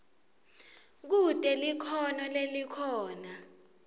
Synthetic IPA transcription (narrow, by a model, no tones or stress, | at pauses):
k̬utʼɛlikʰɔnɔlelikʰɔːna